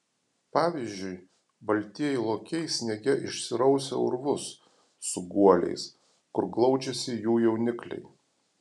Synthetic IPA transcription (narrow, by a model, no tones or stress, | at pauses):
pɑːʋʲizʲd͡ʒʲʊɪ | bɐlʲt̪ʲiɛjɛɪlˠoːkʲɛɪsʲnʲɛɡʲɛɪʃʲsʲɪɾɐʊsʲɛ̰ʊɾʋʊsː | ʊɡuɔlʲɛ̰ɪs | kʊɾɡlˠɒʊd͡ʒʲɛsʲɪjuːjɛʊnʲɪklʲɛ̰ɪ